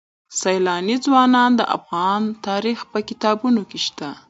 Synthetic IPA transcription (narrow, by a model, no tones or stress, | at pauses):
sajlɑnizwɑnɑnd̪ə̰ʔa̰fɣɑnt̪ɑɾixpəkɪt̪ɑbunokeʃt̪a